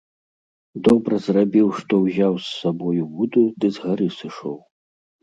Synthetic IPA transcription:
d̪ɔbɾɐzrabʲiwʂt̪ɔwzʲawsːabɔjubud̪ud̪ɨzɣaɾɨsɨʂɔw

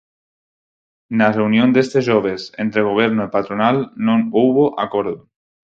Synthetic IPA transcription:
nareunjond̪est̪eʒoβ̞esḛnt̪ɾeɣ̞oβ̞eɾnoipat̪ɾonalnõnuwβoʔakoɾðo

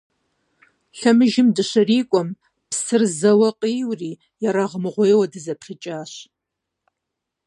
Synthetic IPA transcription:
ɬɐmɨʒɪmdɨɕɨriːkʷʼɔm | psɨrzɐwɐqʼiːwriː | jaɾaʁəmɨʁʷeːwɐdɨzɐpʰχʲɪt͡ʃʼaːɕ

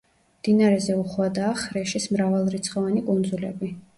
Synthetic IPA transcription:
md̪̥inaɾɛzɛuχwad̪aːχɾɛʃismɾavalˠɾit̪sʰχɔvanikʼund̪zulɛ̰bi

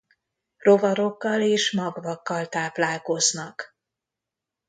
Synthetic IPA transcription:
ro̞vɒɾo̞kːɒleːʃmɒɡvɒkːɒlt̪aːplaːlko̞znɒk

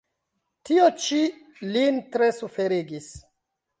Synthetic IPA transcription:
tiot͡ʃi | lintɾe̞sufe̞ɾiɡis

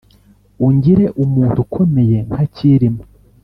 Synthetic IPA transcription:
uɲɟiɾe̞ʔumuːntukʰo̞me̞je̞ŋ̥aciɾimo

